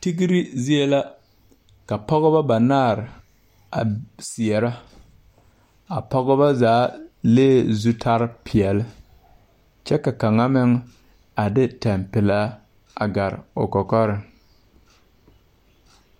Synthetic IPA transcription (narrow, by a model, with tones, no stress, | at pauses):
ti˦ɡi˦ɾi˦zi˦e˦la˦ | ka˨pɔ˦ɣɔ˦ba˦ba˨naː˦˨ɾ | a̰˨si˨ɛ˨ɾa˦ | a˨pɔ˦ɣɔ˦ba˦zaː˨˦leː˦˨zu˦tʰa˦ɾpʰɪ˨ɛ˨lɪ˦ | t͡ʃɛ˦ka˨ka˨ŋa˦mɪ˦ŋ | a˨dɪ˦tɛ˨mpɪ˨laː˨˦ | a̰˨ɡa˨ɾ̰o˨kɔ˨kɔ˦ɾɪ˨ŋ